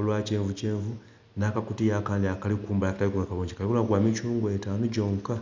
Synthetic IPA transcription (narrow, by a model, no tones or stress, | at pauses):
lwat͡ʃeːɱvut͡ʃeːɱvu | naːkakutijakaːndiakalikuːmbalakatalikulakaβoːɲɟi̥kalikulaɡwaːmit͡ʃuːŋɡoetaːnuɟoːŋka